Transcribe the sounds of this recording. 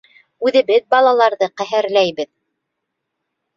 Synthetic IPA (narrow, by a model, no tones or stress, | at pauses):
ʉðɘ̆βɘðbɑlˠɑlˠɑɾðɤqæɦæɾlæjβɘð